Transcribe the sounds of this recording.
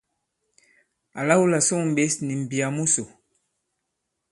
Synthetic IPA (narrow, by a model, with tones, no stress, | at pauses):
a˨la˦wu˦la˨so˦ŋ˨m̩˨ɓe˨˦sni˨m̩˨bi˨a˨mu˦so˨